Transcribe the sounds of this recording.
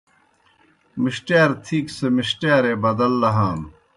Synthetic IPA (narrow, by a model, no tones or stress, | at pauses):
miɕʈeːɾt̪ʰiːksemiɕʈeːɾebɐd̪ɐlːɐɦaːm